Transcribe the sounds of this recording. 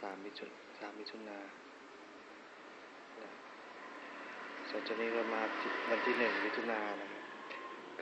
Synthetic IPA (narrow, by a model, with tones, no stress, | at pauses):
saː˩˦mːi˦˥t̪ʰu˧ | saː˩˦mːi˦˥t̪ʰu˧˩naː˧ | lɛ˧˩ | so˨˩˦nt͡ɕa˧˩k̚niː˧˥˩ka˥˧˩maː˧si˧˩wa˧nt̪ʰiː˧˩nɯ˨˩ŋmi˦˥t̪ʰu˧˩naː˧na˧˩kʰa˧˥p̚